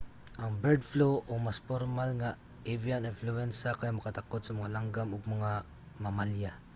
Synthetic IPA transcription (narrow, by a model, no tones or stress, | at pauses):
ʔaŋbɛɾd̪floʔomaspormalŋa | ivianɪnfluɛnsakajamakat̪akot̪samaŋalaŋɡamʊɡ̚maŋa | mamalja